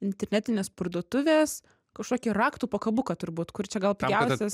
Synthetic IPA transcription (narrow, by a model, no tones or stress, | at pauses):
ɪnʲt̪ʲɛɾʲnʲæːt̪ʲɪnʲeːspɐrd̪uɔt̪ʊʋʲeːs | kɐʃkoːkʲiːrɑːkt̪uːpokɐbʊkɐt̪ʊɾbuːt̪kʊrt͡ʃʲɛɡɐlˠpʲjʲɛʊsʲɛs